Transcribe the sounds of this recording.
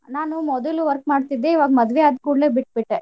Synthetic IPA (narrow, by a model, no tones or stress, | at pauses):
naːnumɔd̪ɐluʋɐɾk̚maːɖt̪id̪ːeiːʋaːɡɐmɐd̪ʋeaːd̪kuːɽleːbiʈ̚biʈːe